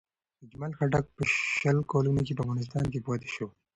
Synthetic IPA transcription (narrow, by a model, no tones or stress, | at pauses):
əd͡ʒmalxaʈak̚pəʃəlkɑlunok̬epəafvɣɑnɪs̬t̪ɑnkepɑt̪e̥ʃow